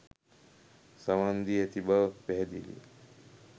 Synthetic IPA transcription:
səʋand̪iet̪ibəpɛd̪ilḭː

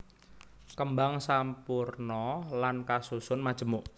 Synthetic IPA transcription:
kəmbaŋsampurnɔlankasusʊnmad̥ʒ̥ə̤muʔ

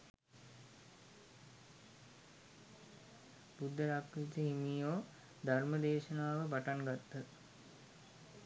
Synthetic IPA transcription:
b̥ud̪ʱːəɾakːɾit̪əɦimiːjoː | d̪ʱarməd̪eːʃənaːʋəpaʈaŋɡat̪ːə

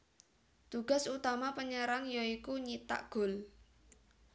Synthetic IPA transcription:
t̪uɡ̥a̤sut̪amapəɲəɾaŋjɔikuɲit̪a̰ʔɡ̥o̤l

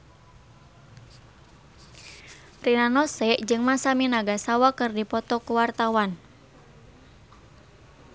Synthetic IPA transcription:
rinanɔsɛʔd͡ʒɨŋmasaminaɡasawakɨrdipɔt̪ɔkuwart̪awan

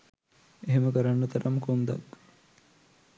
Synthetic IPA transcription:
eɦeməkəɾanːət̪ɐɾamkund̪a̰k

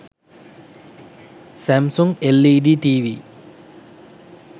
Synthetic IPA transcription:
sæmsuŋelːiɖiʈiːʋi

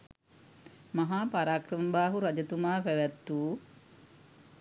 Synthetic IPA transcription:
maɦaːpaɾaːkrəmbaːɦuɾad͡ʒət̪umaːpæʋæt̪ːuː

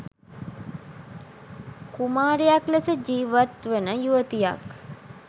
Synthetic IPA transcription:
kumaːɾejakləsəd͡ʒiːʋat̪ʋənəjuʋət̪ija̰k

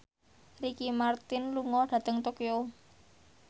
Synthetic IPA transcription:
rikimart̪ɪnluŋɔɖ̥ä̤t̪əŋt̪okio

